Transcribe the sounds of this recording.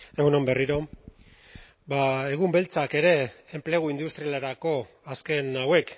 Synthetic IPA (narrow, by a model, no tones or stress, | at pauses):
eɣunombe̞riɾo̞ | bae̞ɣ̞umbe̞lt͡sake̞ɾe̞ːmple̞ɣ̞uind̪ust̪ɾialeɾako̞ | aske̞nawe̞k